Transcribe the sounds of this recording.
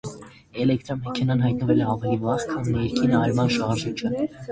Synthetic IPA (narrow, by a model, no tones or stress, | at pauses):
ɛlɛkt̪ɾɔmɛkʰɛnɑnɦɑjt̪̚nəvɛlɛɑvɛlivɑʁkʰɑnːɛɾkʰinəɑɾmɑnʃɑʁʒit͡ʃʰə